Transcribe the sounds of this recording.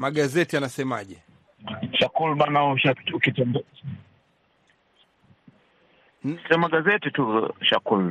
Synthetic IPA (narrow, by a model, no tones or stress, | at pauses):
maɠazɛtianasɛma̰ʄɛ | ʃakulɓanauʃaukitɛnd | iɔmaɠazɛtituʃa̰kul